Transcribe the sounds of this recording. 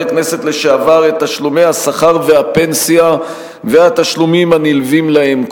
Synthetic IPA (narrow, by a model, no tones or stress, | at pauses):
kne̞se̞tle̞ʃeavaʁet̪ːaʃlume̞jhasaχaʁve̞ɦape̞nsia | veat̪aʃlumimanilvimlae̞mk